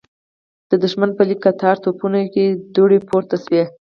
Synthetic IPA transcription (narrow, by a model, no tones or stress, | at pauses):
d̪̥əd̪ʊʃmanpəlikːat̪ʰɑɾt̪opunaked̪oɽepoɾt̪aswe